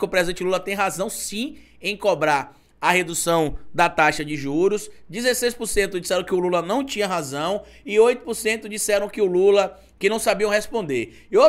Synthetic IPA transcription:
kɪʊpɾɛzẽnt͡ʃɪlulɐt̪ẽj̃ɦazɐ̃w̃sĩ | ẽj̃kobɾaɾ | ɐɦed̪usɐ̃w̃d̪ɐt̪aʃɐd͡ʒɪʒuɾʊsd͡ʒɪzesejspʊɾsẽnt̪ʊd͡ʒisɛɾɐ̃w̃kɪʊlulɐnɐ̃w̃t͡ʃĩɲɐɦazɐ̃w̃ | ɪojt̪ʊ̥pʊɾsẽnt̪ʊd͡ʒisɛɾɐ̃w̃kɪʊlulɐ | kɪnɐ̃w̃sabiɐ̃w̃hespõnd̪eɾ | ɪo

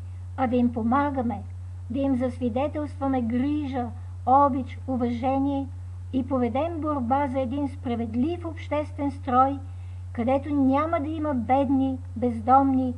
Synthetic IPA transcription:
ɐd̪ɐimpomaɡəmɛ | d̪ɐimzɐsvid̪ɛt̪ɛlˠst̪vɐmɛɡɾiʒə | ɔbit͡ʃ | ʊvɐʒɛniɛ | ipovɛd̪ɛmboɾbazɐɛd̪inspɾɐvɛd̪lifopʃt̪ɛst̪vɛnst̪ɾɔj | kɐd̪ɛt̪onʲaməd̪ɐimɐbɛd̪ni | bɛzd̪ɔmni

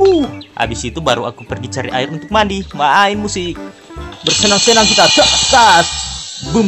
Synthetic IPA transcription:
uha̰bisit̪ubaɾua̰kupərɡit͡ʃaɾiʔaɪrunt̪ʊk̚mandimaːinmusɪk̚ | bərsənaŋsənaŋkit̪at͡ʃəʔskasbəm

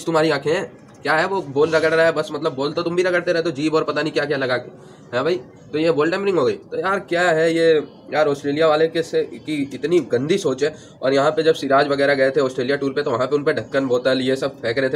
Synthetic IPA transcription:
st̪ʊmɦaːɾiãːkʰeɦɛ̃ː | kjaːɦɛʋoboːlɾɐɡəɽɾaɛbɐsmɐt̪ləbːoːlt̪ot̪ʊmbʱiɾɐɡəɽt̪eɾɛɦt̪od͡ʒiːbɔːɾpɐt̪anĩkjaːk̬jaːlɐɡaːke | ɦɛ̃ːbʱai | t̪ojeboːlʈɛ̃ːmɾɪ̃ŋɡɦoːɡɐiːt̪ojaːɾkjaːɦɛje | jaːɾɔːsʈɾeːlijaʋaːlekesekiɪt̪niɡɐ̃nd̪ʱisoːt͡ʃẽː | ɔ̰ːɾjɐɦãped͡ʒɐbsɪɾaːd͡ʒʋɐɡɛːɾaɡɐet̪ʰeɔːsʈɾeːlijaʈuːɾpet̪oʋɐɦãpeʊnpeɖʱɐkːənboːt̪alijesɐb̚pʰɛːkɾet̪e

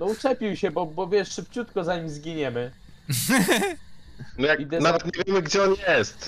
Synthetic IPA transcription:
nɔut͡ʂɛpʲiwɕɛbɔbɔvʲjɛʂʂɘpt͡ɕut̪kɔzaɲimzɡʲiɲɛmɘ | nɔjakid̪ɛnavɛt̪ɲevʲjɛmɘɡd͡ʑɛɔnjɛst̪

